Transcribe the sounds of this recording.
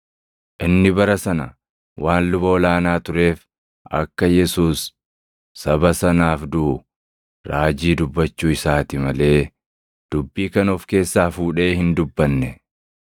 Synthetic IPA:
ʔɪnːɪbɐɾɐsɐnɐ | wʔaːnlʊbɐːlaːnaːt̪ʊɾe̞ːf | ʔɐ̰kːɐjɛsuːsː | ɐbɐsɐnaːfd̪uʊ | ɾaːd͡ʒiːd̪ʊbːɐt͡ʃːuːɪsaːt̪ɪmɐle̞ː | d̪̥ʊbːiːkɐnɔfke̞ːsːaːfuːᶑe̞ːhɪnd̪ʊbːɐnːɛ

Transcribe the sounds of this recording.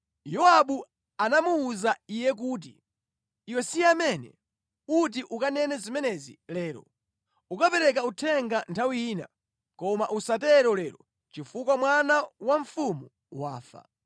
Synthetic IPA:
jɔaɓu | anamuːzaijɛk̬uːt̬ḭː | wɛsiamɛnɛ̰ | ut̬iʔukanɛnɛzimɛnɛzḭlɛːɾɔ̰ | ukapɛɾɛk̬autʰɛŋɡantʰawiːna̰ | kɔmaʔusatɛɾɔlɛɾɔ | t͡ʃifukwamwanawaɱfumu | wa̰ːfa̰

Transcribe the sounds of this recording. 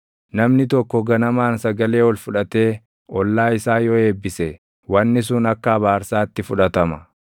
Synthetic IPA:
nɐmnɪt̪ɔkːɔɡɐnɐmaːnsɐɡɐle̞ːwɔlfʊᶑɐt̪e̞ː | ʔɔlːaːɪsaːjɔe̞ːbːɪsɛ | wɐnːɪs̬ʊnɐkːɐɐβaːɾsaːt̪ːɪfʊᶑɐt̪ɐmɐ

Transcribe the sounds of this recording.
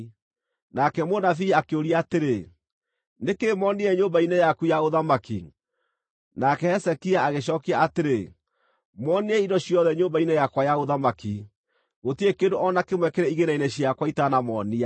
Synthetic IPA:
nakɛmonafiakeoɾiaːteɾe | nekemɔniɛɲoːmbainɛjakujaoðamakḭ | nakɛɛsɛkiaaɣeɕ̬ɔːkiaateɾe | mwɔniɛidɔɕijɔðɛɲoːmbainɛjakwajaoðamaki | ɣotiekedoʔɔnakemwɛkeɾɛiɣeɾainɛɕiakwaitanamɔnia

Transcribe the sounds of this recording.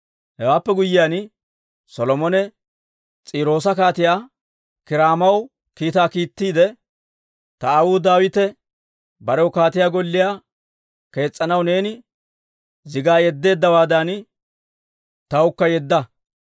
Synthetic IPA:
hɛwaːpːɛɡʊjːɪjaːn | sɔlɔmɔnɛ | t͡sʼiːɾo̞ːsɐkaːt̪ɪjaː | kɪɾaːmɐw | kiːt̪aːkiːt̪ːiːd̪ɛ | t̪ɐwuːd̪aːwɪt̪ɛ | bɐɾɛwʊkaːt̪ɪjaːɡɔlːɪjaː | ke̞ːt͡sʼːɐnɐwne̞ːnɪ | zɪɡaːjɛd̪ːe̞ːd̪ːɐwaːd̪ɐn | t̪ɐwʊkːɐjɛd̪ːɐ

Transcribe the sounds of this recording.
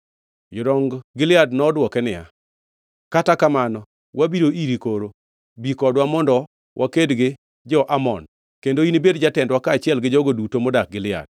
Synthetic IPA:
jʊdɔŋɡɡɪlɪadnɔːdwɔkɛnɪja̰ | katakamanɔ | wabiɾoiɾikoɾo | bikɔdwamɔndɔ | wʔakedɡɪ | d͡ʒɔʔamɔ̰n | kendoinibedd͡ʒatɛndwakaːt͡ʃɪɛlɡɪd͡ʒɔɡodutomɔdak̚ɡɪlɪa̰d̥̚

